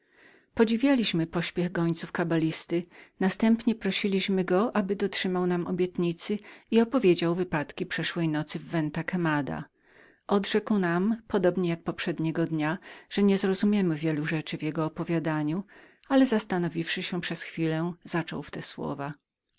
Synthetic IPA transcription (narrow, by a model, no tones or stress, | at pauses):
pɔd͡ʑivʲjalʲiɕmɘpɔɕpʲjɛɣɡɔɲt̪sufkabalʲist̪ɘnast̪ɛmpɲɛpɾɔɕilʲiɕmɘɡɔʔabɘd̪ɔtʂɘmawnamʔɔbʲjɛt̪ɲit̪sɘiɔpɔvʲjed͡ʑawvɘpat̪kʲipʂɛʂwɛjnɔt̪sɘvːɛnt̪akɛmad̪a̰ | ʔɔd̪ʐɛkwnampɔd̪ɔbɲɛjak̚pɔpʂɛd̪ɲɛɡɔd̪ɲaʐ̥ɛɲɛzɾɔzumʲjɛmɘvʲjɛluʐɛt͡ʂɘvjɛɡɔːpɔvʲjad̪aɲu | alɛzast̪anɔvʲifʂɘɕɛ̃pʂɛsxfʲilɛz̥at͡ʂɔ̰wft̪ɛswɔ̰va